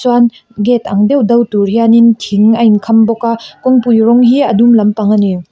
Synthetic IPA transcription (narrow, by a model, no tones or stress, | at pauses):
swan | ɡetʰa̰ŋdewdɐwtuɾjanintʰiŋajnkʰambɔkakɔŋpujɾɔŋɦiɐdumlɐmpaŋani